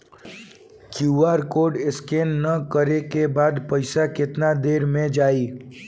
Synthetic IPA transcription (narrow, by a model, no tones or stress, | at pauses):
kjuːaːɾkoːɖɪskeːnːɐkəɾekebaːd̪pɐɪsakɪt̪nad̪eːɾmẽd͡ʒaːiː